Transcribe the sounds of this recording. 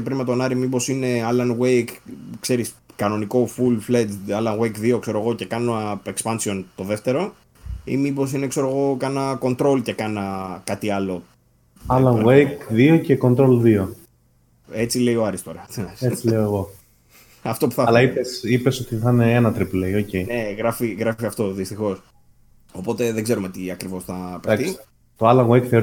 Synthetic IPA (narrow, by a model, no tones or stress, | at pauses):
epɾinmet̪o̞nɐɾimipo̞sine̞ɐlɐnwejkkse̞ɾiskɐno̞niko̞fulfledɐlɐnɣwejkðio̞kse̞ɾo̞ɣo̞ce̞kɐnoekspɐnsio̞nt̪o̞ðe̞ft̪e̞ɾo̞ | ḭmipo̞s̬inekse̞ɾoɣo̞kɐnɐko̞nt̪ɾo̞lce̞kɐnɐkɐt̪iɐlo̞ | ɐlɐnɣejkðio̞ce̞ko̞nt̪ɾo̞lðio | e̞t͡sile̞io̞ɐɾist̪o̞ɾɐineset͡sileoeɣo̞ | ɐft̪o̞pu̥θɐɐlɐipesipe̞so̞t̪iθɐneenɐt̪ɾiplejocejne̞ɣɾɐfiɣɾɐfiɐft̪o̞ðist̪ixo̞s | o̞po̞t̪e̞ðeɡze̞ɾumet̪iɐkɾivo̞sθɐpeɐt̪i | t̪oɐlɐɣejkθeoɾ